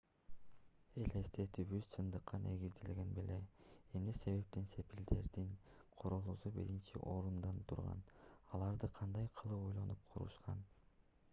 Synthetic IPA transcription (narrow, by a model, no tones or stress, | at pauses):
e̞le̞st̪et̪ybyzsʰɯnd̪ɯqːɑnʔe̞̰ɡizd̪elɡʲe̞nbelee̞mnese̞βe̞p̚t̪ense̞pild̪e̞ɾd̪inqʰoɾolˠusubḭɾint͡ʃḭʔo̞ɾund̪ɑnt̪ʰuɾʁɑ̰nɑlˠɑɾd̪ɯqʰɑnd̪ɑjqʰɯlˠɯpojlˠɑnup̚qʰuɾṵʃqɑ̰n